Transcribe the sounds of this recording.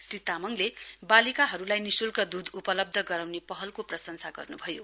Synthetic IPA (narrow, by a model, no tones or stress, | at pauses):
srit̪amʌŋlebalikaɦʌɾulajnisulkad̪ud̪upʌlʌb̚d̪ʱʌɡʌɾawnepʌɦʌlkoprʌsʌŋsaɡʌ̰rnubʱʌjo